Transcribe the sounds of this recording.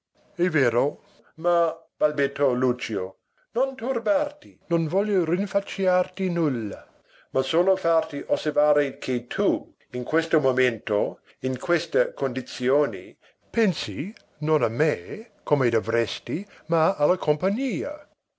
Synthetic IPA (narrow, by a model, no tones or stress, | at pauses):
ɛveːɾo | ma | b̥albet̪ʰːɔlut͡ʃio | nont̪urbart̪inonvɔljorinfat͡ʃiart̪inulːa | masoːlofart̪iʔoservaːɾekʰet̪ʰu | inkwest̪omomẽnt̪o | inkʰwest̪ɐkond̪it̪sjoːni | pɛnsi | noname | komed̪ovɾɛst̪imaalakʰompaɲiːa̰